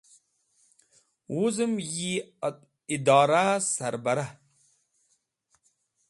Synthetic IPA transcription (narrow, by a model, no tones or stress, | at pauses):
wuzɨmji | id̪aːɾasaɾbaɾa